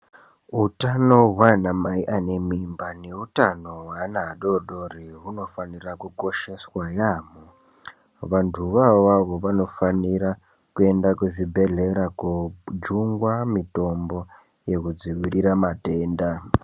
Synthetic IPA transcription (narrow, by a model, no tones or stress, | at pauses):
ɦutanoɦwanamaiʔanemimbane̞utanowanaːɗo̞ɗoriɦuno̞fanirakuko̞ʃe̞swajaːmo | ʋantʰuʋaʋaʋo̞ʋano̞faniɾa | kue̞ndakuʐibʱe̞ɮe̞ɾakud͡ʒuŋɡwamito̞mbo̞ | je̞kud͡ziʋiɾiɾamate̞ːnda